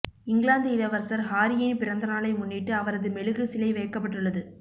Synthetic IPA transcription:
ɪŋɡɪlaːnd̪ɯɪlɐʋɐɾsɐɾɦaːɾɪjɪnpɪɾɐnd̪ɐnaːlɐɪmʊnːiʈːɯɐʋɐɾɐðɯmɛɭɯɣɯsɪlɐɪʋɐjɐkːɐp̬ːɐʈːɯɭːɐðɯ

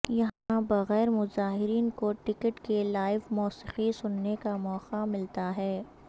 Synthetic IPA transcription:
jɐɦãbɐɣɛːɾmʊzaːɦɪɾiːnkoʈɪkəʈkelaːɪʋmɔːsɪxisʊnːekamɔːqamɪlt̪aɦɛː

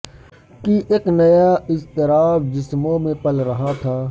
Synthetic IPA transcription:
kiʔeːknɐjaːɪst̪ɪɾaːfd͡ʒɪsmõːmẽpɐlɾɐɦãt̪ʰaː

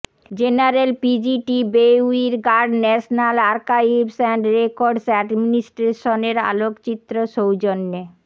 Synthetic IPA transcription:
d͡ʑenaɾelpid͡ʑiʈibeuiɾɡaɾɖnɛʃnalaɾkaibsɛɳɖɾekoɾɖsɛɖminisʈɾeʃoneɾa̰lokt͡ɕit̪ːɾoʃowd͡ʑonːe

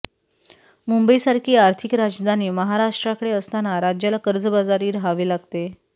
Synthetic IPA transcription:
mumbəisaɾkʰiːaɾt̪ʰikɾad͡ʑd̪ʱaniːməɦaɾaʂʈɾakəɽeəst̪anaɾad͡ʑjalakəɾd͡zəbad͡zaɾiːɾɦaʋiːlaɡt̪e

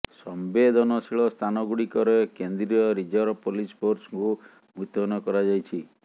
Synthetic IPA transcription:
sɔmbed̪ʱɔnɔsiɭɔst̪ʰanɔɡuɽikɔɾekend̪ɾiɔɾid͡ʒɔɾɔpolispoɾsŋku | mut̪ɔnɔkɔɾad͡ʒajt͡ʃʰi

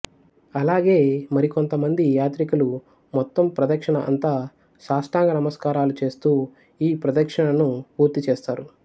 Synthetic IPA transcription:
ɐlaːɡe̞ːmɐɾikont̪ɐmɐnd̪ijaːt̪ɾikulu | mɔt̪ːɐmpɾɐd̪ɐkʂɐɳɐʔɐ̰nt̪aː | ʃaːsʈaːŋɡɐnɐmɐskaːɾaːlut͡ʃe̞ːst̪uː | iːpɾɐd̪ɐkʂɐɳɐnupuːɾt̪it͡ʃeːst̪aːɾu

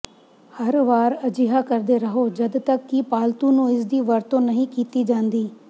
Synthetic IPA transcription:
həɾʋaːɾəd͡ʒɪɦaːkəɾd̪eːɾəɦoːd͡ʒəd̪t̪əkːipaːlt̪ũːnũːɪs̬d̪iːʋəɾt̪õːnəɦĩːkiːt̪iːd͡ʒãːnd̪iː

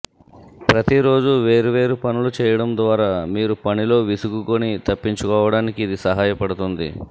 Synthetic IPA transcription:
pɾɐt̪iɾo̞ːd͡ʒuʋe̞ːɾuʋe̞ːɾupɐnulut͡ʃɛːjɐɽɐmd̪ʋaːɾaːmiːɾupɐnilo̞ːʋisuɡukonit̪ɐpːiɲt͡ʃukɔːʋɐɽaːnikiːd̪isɐɦaːjɐpɐɽut̪und̪ḭ

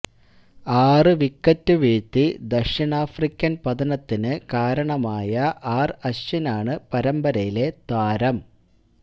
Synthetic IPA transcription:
aːrɨʋikːɐtːuʋeːt̪ːid̪ɐʂiɳaːfrikʲːɐnpɐðɐnɐt̪ːinɨkaːɾɐɳɐmaːjɐʔaːrɐɕɐnaːɳɨpɐɾɐmbɐɾɐjile̞d̪̥waːɾɐm

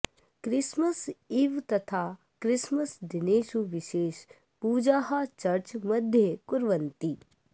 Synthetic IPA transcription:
kɾɪsməsɪʋt̪ɐt̪ʰaː | kɾɪsməsd̪ɪneːʃuʋɪʃeːʃ | puːd͡ʒaːɦat͡ʃɐɾt͡ʃmɐd̪ʱjəkʊɾʋənt̪i

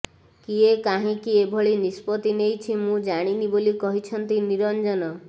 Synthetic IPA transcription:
kiekaɦĩkiebʱɔɭinispɔt̪inejt͡ʃʰimũd͡ʒaɽ̃inibolikɔɦit͡ʃʰɔnt̪iniɾɔnd͡ʒɔnɔ

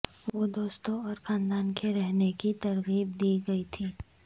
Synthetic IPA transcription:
ʋʋod̪oːst̪õɔːɾxaːnd̪aːnkeɾɛɦnekit̪ɐɾɣiːbd̪iːɡɐit̪ʰiː

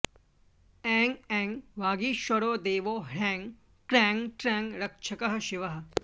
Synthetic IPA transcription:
ɛ̃ːŋɡɛ̃ːŋɡʋaːɡiːʃɐɽoːd̪eːʋoːɦɾɛ̃ːŋɡ | kɾɛ̃ːŋɡʈɾɛ̃ːŋɡɾɐkʃʰɐkɐɦɐ̆ʃɪʋɐɦɐ̆

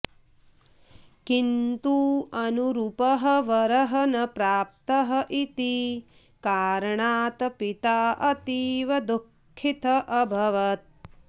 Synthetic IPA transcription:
kint̪uːɐnuɾupɐɦɐʋɐɾɐɦɐnɐpɾaːp̚t̪ɐɦɐʔit̪i | kaːɾɐɳaːt̪ɐpit̪aːʔɐt̪iːʋɐd̪ukʰːit̪ɐʔɐbʱɐʋɐt̪̚

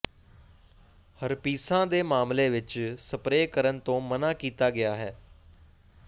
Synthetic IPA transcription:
həɾpiːsãːd̪eːmaːmleːʋɪt͡ʃsəpɾeːkəɾənt̪õːmənãːkiːt̪aːɡɪjaːɦɛː

